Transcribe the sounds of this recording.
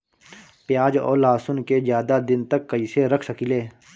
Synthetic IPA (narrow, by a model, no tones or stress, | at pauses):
pjaːd͡ʒɔ̰ːlaːsʊnkezjaːd̪ad̪ɪnt̪əkːəiːseɾɐkʰsəkileː